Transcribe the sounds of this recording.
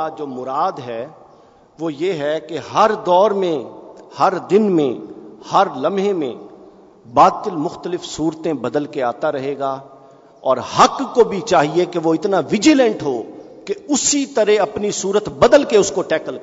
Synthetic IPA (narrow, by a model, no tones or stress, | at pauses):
ad͡ʒoːmʊɾaːd̪ɦɛ | ʋoːjeːɦɛkeɦɐɾd̪ɔːɾmẽhɐɾd̪ɪnmẽhɐɾlɐmɦẽmḛ̃ | baːt̪ɪlmʊxt̪əlɪfsuːɾt̪ẽbɐd̪əlkeaːt̪aɾɐɦeːɡaː | ɔːɾhɐkːobʱit͡ʃaːɦiekeʋoɪt̪naʋɪd͡ʒɪlə̃ɳʈɦoːkeʊsit̪ɐɾeɐpnisuːɾət̪bɐd̪əlkeʊskoʈɛːkəl